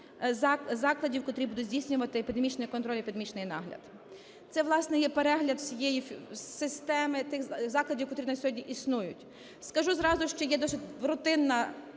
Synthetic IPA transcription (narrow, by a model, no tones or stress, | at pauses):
zɑzɑklˠɐdʲiwkɔt̪ɾʲibud̪ʊzʲdʲijsʲnʲʊʋɐt̪ɪepʲid̪emit͡ʃnɔjikɔnt̪ɾɔlʲipʲid̪mʲit͡ʃnɪjnɑ̰ɦlʲɐ̰d̪ | t̪sɛʋlˠɑsnɛjɛpeɾɛɦlʲɐd̪sʲijɛjifsɪst̪ɛmɪt̪ɪxzɑklˠɐdʲiwkɐt̪uɾinɐsʲɔɦɔdʲnʲiʔisnujʊtʲ | skɐʒuzɾɑzʊʃt͡ʃɔjɛd̪ɔsʲɪtʲʋɾʊt̪ɪnːɐ